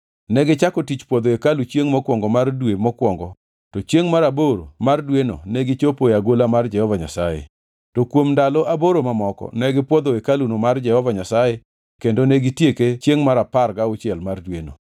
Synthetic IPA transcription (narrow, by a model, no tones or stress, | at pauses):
nɛɡɪt͡ʃakɔtit͡ʃpwɔd̪oekalut͡ʃjeŋmɔkwɔŋɡɔmardwemɔkwɔŋɡɔ | tɔt͡ʃjeŋmaɾaboɾomardweno̰neɡɪt͡ʃopoaɡolamard͡ʒɛhɔvaɲa̰sajḛ | tokwomndalɔʔaboɾomamɔkɔ̰nɛɡɪpwɔd̪oekalunomard͡ʒɛhɔvaɲasaje | kendoneɡɪtjeket͡ʃjeŋmaɾaparɡaʊt͡ʃjɛlmardweno̰